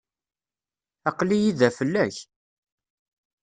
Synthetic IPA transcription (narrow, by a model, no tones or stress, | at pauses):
ɑqlijiðæfəlːæç